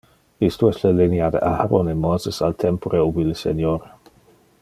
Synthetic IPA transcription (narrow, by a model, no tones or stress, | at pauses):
ist̪oɛstləlinjad̪ḛʔahaɾonemozəsalt̪ʰɛmpoɾeubiləsḛnjoɾe